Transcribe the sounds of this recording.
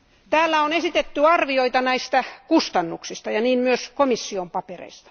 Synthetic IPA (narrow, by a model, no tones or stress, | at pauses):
t̪æːlːæonesit̪et̪ːyɑrʋioit̪ɑnæist̪ækust̪ɑnːuksist̪ɑjɑniːnmyøskomisːiompɑperḛist̪ɑ̥